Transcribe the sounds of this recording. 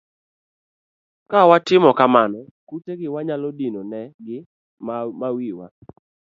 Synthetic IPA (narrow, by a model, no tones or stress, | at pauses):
kawatɪmɔkamanɔkuteɡɪwaɲalɔdinonɛɡɪ | mmawiwa̰